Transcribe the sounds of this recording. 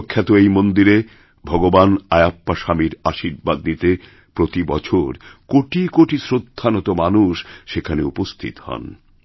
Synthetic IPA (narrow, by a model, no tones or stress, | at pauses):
kʰːjat̪oejmond̪iɾe | bʱɔɡobanajapːaʃamiɾaʃiɾbad̪nit̪e | pɾot̪ibɔt͡ɕʰoɾkoʈikoʈisɾod̪ʱːanot̪omanuʃʃekʰaneupost̪ʰḭt̪hɔ̰n